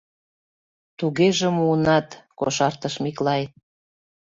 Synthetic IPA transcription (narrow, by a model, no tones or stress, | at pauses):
t̪uɣeʒemuənɑt̪koʃɑrt̪əʃmiklɑj